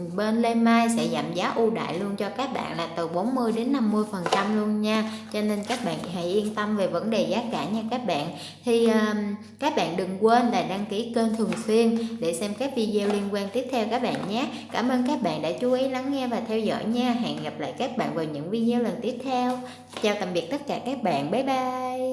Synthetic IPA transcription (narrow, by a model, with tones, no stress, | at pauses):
ɓe˧nle˧maː˧jsɛ̰˧˥za˨˩mzaː˨˦ʔu˧ɗa̰ː˧˨jlu˧ənt͡ɕɔ˧kaː˦˥k̚ɓa̰ː˧˨nlaː˨˩t̪ɨ˨˩ɓo˨˦nmɨ˧əjɗe˨˦nːa˧mːɨ˧əjfə˨˩nt͡ɕa˧mlu˧ənɲaː˧t͡ɕɔ˧ne˧nkaː˦˥k̚ɓa̰ː˧˨nɦa̰˧˩jʔi˧ənt̪ə˧mve˨˩və˧˦nɗe˨˩zaː˨˦kaː˧˩ɲaː˧kaː˦˥k̚ɓa̰ː˧˨n | t̪ʰi˨˩ʔəː˨˩ | kaː˦˥k̚ɓa̰ː˧˨nɗɨ˨˩ŋkwe˧nlaː˨˩ɗaː˧ŋki˧˩˥kəː˧nt̪ʰɨ˨˩əŋswi˧ənɗe˧˩sɛ˧mkaː˦˥k̚vi˧ze˧wli˧ənkwaː˧nt̪i˦˥əp̚t̪ʰɛ˧wkaː˦˥k̚ɓa̰ː˧˨nɲaː˨˦ | kaː˧˩mʔəː˧nkaː˦˥k̚ɓa̰ː˧˨nɗa̰ː˧˥t͡ɕu˨˦ʔi˨˦la˨˦ŋːɛ˧vaː˨˩t̪ʰɛ˧wzɔ̰˧˨jɲaː˧ɦa̰ː˨˩nɣa˨˩p̚la̰ː˧˨jkaː˦˥k̚ɓa̰ː˧˨nvaː˨˩wɲɨ̰˧˥ŋvi˧ze˧wlə˨˩nt̪i˦˥əp̚t̪ʰɛ˧w | t͡ɕaː˧wt̪a˨˩mɓi˨˩ək̚t̪ə˦˥t̚kaː˧˩kaː˦˥k̚ɓa̰ː˧˨nɓə˨˦jɓaː˧j